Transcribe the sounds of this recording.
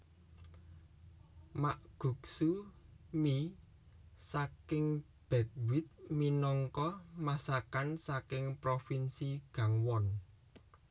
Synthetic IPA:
maʔɡ̥ṳksumi | sakɪŋ | b̥ɛ̤k̚wɪt̪̚minɔŋkɔmasakansakɪŋpɾofinsiɡ̥a̤ŋwɔn

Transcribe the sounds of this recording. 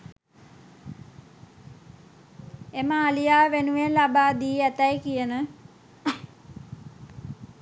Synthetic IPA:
eməːlijaːʋenuʋenlabaːd̪iːæt̪ɐjkijənə

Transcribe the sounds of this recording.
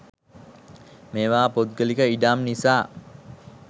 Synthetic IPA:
meːʋaːpot̪̚ɡəlikəiɖamnisaː

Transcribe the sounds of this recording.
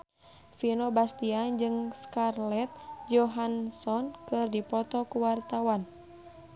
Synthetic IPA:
finobast̪iad͡ʒɨŋskarlɛt̪̚d͡ʒɔɦansɔnkɨrdipɔt̪ɔkuwart̪awan

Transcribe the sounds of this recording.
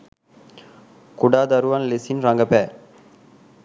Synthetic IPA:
kʊɽaːd̪ɐɾuʋanlesinɾaŋɡɐpɛː

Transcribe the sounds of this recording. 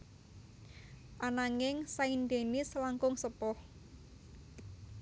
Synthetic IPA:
ʔanaŋɪŋsaind̪enɪslaŋkʊŋsəpʊh

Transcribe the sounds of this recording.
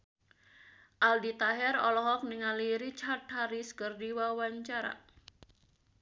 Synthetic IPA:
ʔaldit̪aɦɛɾɔlɔɦɔk̚niŋaliɾit͡ʃart̪̚haɾiskɨrdiwawaɲt͡ʃaɾa̰

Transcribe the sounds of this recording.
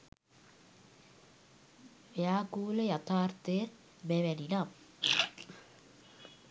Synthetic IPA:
beakulejat̪aɾt̪e | beβeɾinap

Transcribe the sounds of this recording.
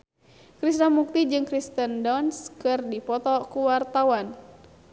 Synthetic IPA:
kɾisnamuk̚t̪id͡ʒɨŋkɾist̪əndɔnskɨrdipɔt̪ɔkuwart̪awan

